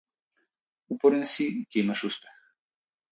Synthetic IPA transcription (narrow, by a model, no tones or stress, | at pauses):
upɔɾɛnsicʲɛimaʃuspɛ̥x